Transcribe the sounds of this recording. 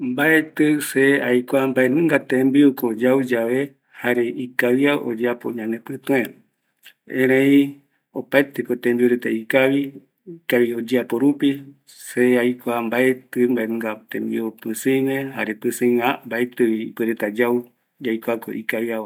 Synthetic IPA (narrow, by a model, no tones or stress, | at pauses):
mbaet̪ɨseajkʷambaenɨ̃ŋɡat̪ẽmbiukod͡ʒawd͡ʒaβe̞ | haɾeʔikawjaʔo̰d͡ʒeapo̰ɲãnẽpɨ̃t̪õe | ẽɾẽĩ | opaet̪ekot̪ẽmbioɾet̪aikaβi | ikaβiod͡ʒapoɾupi | seajkʷambaet̪ɨmbaenɨ̃ŋɡat̪ḛ̃mbḭopɨsɨ̃mẽhaɾepɨsɨ̃ambaet̪ɨiːpɨɾet̪ad͡ʒaw | d͡ʒajkʷako̰ʔikawiawa